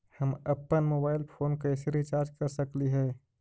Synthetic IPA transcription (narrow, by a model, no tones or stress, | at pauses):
həməpːənmobaːɪlpʰoːnkəɪsɾit͡ʃaːɾd͡ʒkəɾsəkliɦɛː